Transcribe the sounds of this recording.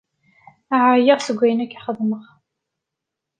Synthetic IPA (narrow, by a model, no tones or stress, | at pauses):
aʕajəʁsəɡʷːæjənækːiχəðˤːməʁ